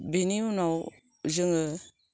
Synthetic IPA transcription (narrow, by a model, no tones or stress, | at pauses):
biniunaw | zɯŋɯ